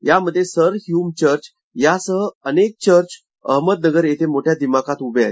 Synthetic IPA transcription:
jaməd̪ʱːjesəɾɦjumt͡ɕəɾt͡ɕ | jasəɦəənek̚t͡ɕəɾt͡ɕ | ə̰ɦməd̪̚nəɡəɾjet̪ʰemoʈʰjad̪imakat̪ubʱeae

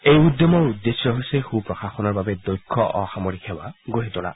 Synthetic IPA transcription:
ejud̪jɔmɔud̪ːesɔɦojsɛxupɹɔxaxɔnɔɹbabɛd̪ɔjkʰːɔʔɔxamoɹikʰɛwa̰ɡoɦitɔla̰

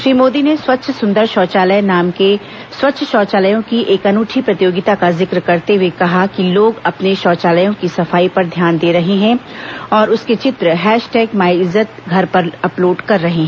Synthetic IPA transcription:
ʃɾiːmoːd̪ineswɐtːʃʰsʊ̃nd̪əɾʃɔːt͡ʃaːləjnaːmke | swɐtːʃʰʃɔːt͡ʃaːləjõkiʔeːkɐnuːʈʰipɾɐt̪ɪjoːɡɪt̪akazɪkɾkɐɾt̪eɦwekɐɦakiloːɡɐpneʃɔːt͡ʃaːləjõkisɐfaːipɐɾd̪ʱjaːnd̪eːɾɐɦeɦɛ̃ɔːɾʊsket͡ʃɪt̪ɾəɦɛːʃʈɛːkmaːɪzət̪̚ɡʱɐɾpɐɾɐploːɖkɐɾːɐɦeɦɛ̃ː

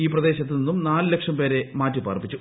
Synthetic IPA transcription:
iːprɐd̪e̞ːɕɐt̪ːininːumnaːlɨle̞kʂɐmpe̞ːɾe̞maːtːipaːrpːit͡ɕːu

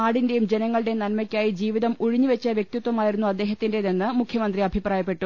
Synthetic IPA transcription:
aːɽinde̞jumd͡ʑe̞nɐŋːɐɭɨɽenɐlmɐkʲːaːjid͡ʑiːʋiðɐmuɻiɲːuʋet͡ɕːɐʋjek̚t̪it̪ːwɐmaːjiɾunːuɐd̪ːeːɦɐt̪ːindeðenːɨmukʰjɐmɐnd̪riɐbʱipraːjɐpːe̞ʈːu

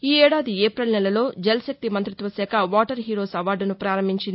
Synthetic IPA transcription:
iːɛːɽaːd̪ieːpɾɐlnɛlɐlo̞ːd͡ʒɛlɐsɐk̚t̪imɐnt̪ɾit̪ʋɐsɛːkʰɐʋaːʈɐɾɦiːɾo̞ːsɐʋaːɾɖunupɾaːɾɐmbʱiɲt͡ʃind̪i

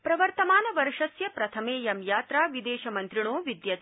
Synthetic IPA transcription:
pɾɐʋɐɾt̪ɐmaːnɐʋɐɾʂɐsjɐpɾɐt̪ʰɐmeːjɐmjaːt̪ɾaːʋid̪eːʃɐmɐnt̪ɾiɳoːʋid̪jɐ

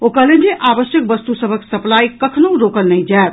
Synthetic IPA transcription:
okəled͡ʒeʔabəsjək̚bəst̪usəbʱəksəplaikəkʰnoũɾokəlnəjd͡ʒaet̪̚

